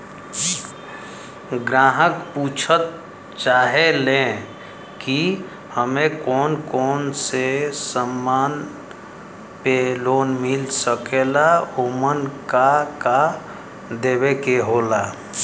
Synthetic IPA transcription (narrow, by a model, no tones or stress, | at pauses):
ɡɾaːɦəkpuːt͡ʃʰət̪̚ | t͡ʃaːɦelẽ | ki | həmẽkɔːnkɔːnsesəmːaːn | peloːnmɪlsəkeːlaomənkaka | d̪eːwekeɦoːlaː